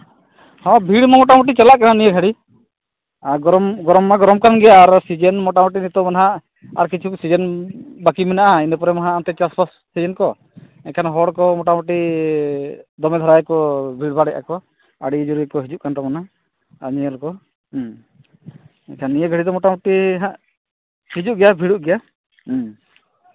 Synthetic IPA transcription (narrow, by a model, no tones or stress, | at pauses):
hɔ̃bʱiɽmamɔʈamuʈ̬it͡ʃalaʔkananijəɡʱəɽi | aɡɔɾɔmɡɔɾɔmːaɡɔɾɔmkanɡɛjaɾsid͡ʒənmɔʈamɔʈ̬inɛt̪ɔmanaɦa | a̰ɾkit͡ʃʰusid͡ʒənbakiminaʔainɛpɔɾɛmaɦaːmt̪ɛt͡ʃaspʰasːid͡ʒənkɔ | ɛkʰanɦɔɽkɔmɔʈamɔʈi | d̪ɔmɛd̪ʱɔɾajkɔbʱiɽbʱaɽɛʔa̰kɔ | aɽid͡ʒuɾukɔɦid͡ʒuʔkant̪ɔmana | a̰ɲiəlkɔ | ɛ̰kʰanijəɡʱəɽid̪ɔmɔʈamɔʈiɦaʔ | hid͡ʒuʔ̚ɡɛjabʱiɽuʔɡɛja